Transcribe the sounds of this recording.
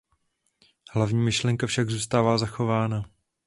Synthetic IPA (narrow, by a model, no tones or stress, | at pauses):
hlavɲiːmɪʃlɛŋkafʃaɡzuːst̪aːvaːzaxo̞vaːna